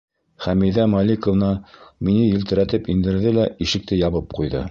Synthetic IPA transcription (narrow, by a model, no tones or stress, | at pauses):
χæmiðæmɑlʲikŏvnɑminɘjɘ̆lt̪ɘ̆ɾæt̪ɘpind̪ɘ̆ɾðɘlæiʃɘ̆k̚t̪ɘjɑβɤp̚qujðɤ̰